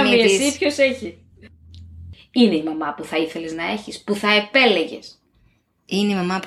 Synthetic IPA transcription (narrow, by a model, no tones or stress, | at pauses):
miessipço̞se̞çi | ine̞imɐmɐpuθɐiθe̞leznɐe̞çispuθɐe̞pe̞le̞ʝe̞̰s | ineimɐmɐp